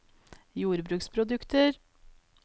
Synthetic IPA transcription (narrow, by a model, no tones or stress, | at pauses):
juːɾbɾʉːkspʰɾʊd̪ʉkt̪əɾ